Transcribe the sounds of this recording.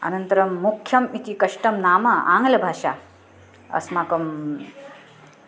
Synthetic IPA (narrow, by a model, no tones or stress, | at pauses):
ɐ̰nənt̪əɾɐmːukʰjɐmit̪ikɐʂʈɐmnaːmɐa̰ŋɡlɐbʱaːʂa | ə̰smakɐm